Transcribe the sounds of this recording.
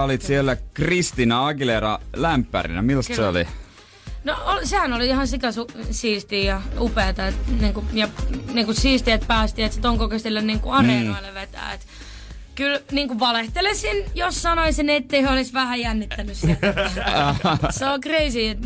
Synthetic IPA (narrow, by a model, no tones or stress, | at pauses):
olit̪sielːækrist̪inɑɑkileɾɑ̰læmpːæ̰rḭnæ̰milːst̪seoli | noolsehænoliihɑnsikæsusiːst̪iːjɑupeːt̪ɑet̪niːŋkujɑniːŋkussiːst̪iet̪̚pæːst̪iet̪set̪oŋkokest̪ilːenniːŋkṵɑrenɑilːeʋet̪æ̰ːet̪ | kylniːŋkuʋʋɑleht̪elessinjossɑnoisinet̪ːeiholisʋæhæjænːit̪ːænyssi | seokreisiːet̪